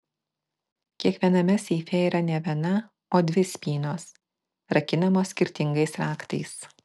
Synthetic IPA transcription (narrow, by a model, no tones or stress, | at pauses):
kʲiɛkʋʲiɛnɐmʲɛsʲɛɪfʲɛiːɾɐnʲɛʋʲiɛnɐ | oːd̪ʲʋʲɪsʲpʲiːnoːs | ɾɐkʲɪnɐmoːsːʲkʲɪɾʲt̪ʲɪŋɡɐɪsɾɑːkt̪ɐ̰ɪs